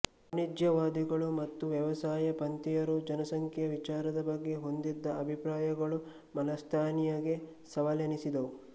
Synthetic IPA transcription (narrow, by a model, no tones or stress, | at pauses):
ɐnid̪jɐʋaːd̪iɡɐɭumɐt̪ːuʋjɐɛʋɐsaːjɐpɐnt̪ijɐɾud͡ʒɐnɐsɐŋkʰjɐʋit͡ʃaːɾɐd̪ɐbɐɡːeɦo̞nd̪id̪ːɐɐbʱipɾaːjɐɡɐɭu | mɐnɐst̪ʰaːnijɐɡe̞sɐʋɐlɐnisid̪ɐʋu